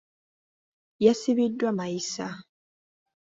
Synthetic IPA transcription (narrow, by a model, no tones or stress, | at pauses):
jasiβidːwamajisa